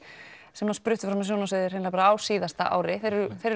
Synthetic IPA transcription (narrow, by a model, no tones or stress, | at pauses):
sɛmnaspɾʏht̪ʏfɾamas̬jownas̬eːðɪɾ̥eːnlapaɾaaːwsiːðast̪a̰ʔa̰ːwɾɪθeɾʏθeɾɪ